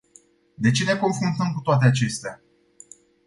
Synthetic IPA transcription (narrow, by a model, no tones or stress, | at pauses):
d̪e̞t͡ʃe̞ne̞ko̞nfɾunt̪əmkut̪oat̪eat͡ʃe̞st̪ea